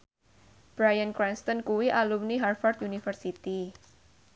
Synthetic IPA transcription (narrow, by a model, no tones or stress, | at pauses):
b̥ɾajankɾɛnst̪ɔnkuwiʔalumniɦarfɔrt̪unifərsit̪i